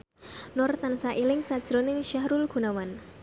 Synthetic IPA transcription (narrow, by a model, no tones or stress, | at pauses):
nɔrt̪ansaʔilɪŋsad̥ʒ̥ɾonɪŋʃaɦɾulɡ̥ṳnawan